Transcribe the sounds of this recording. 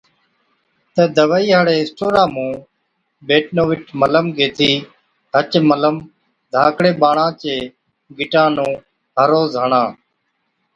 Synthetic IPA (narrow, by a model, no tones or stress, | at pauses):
t̪əːd̪əʋaːiːɦəɽeːɪsʈoːɾãːmũː | beːʈnoːʋɪʈmələmɡeːt̪ʰiː | ɦət͡ʃmələm | d̪ʱaːkɽeːɓaːɳãːt͡ʃeː | ɡɪʈãːnũː | ɦəɾoːzɦəɳãː